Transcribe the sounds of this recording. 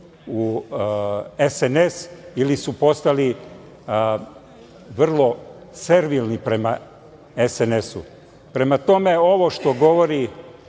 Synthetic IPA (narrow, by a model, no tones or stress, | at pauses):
u | esene̞silisupo̞st̪ali | ʋr̩lˠo̞ | se̞ɾʋilˠnipɾe̞ma | esene̞sṵ | pɾe̞mat̪o̞me̞o̞ʋoʃt̪o̞ɡo̞ʋo̞ɾi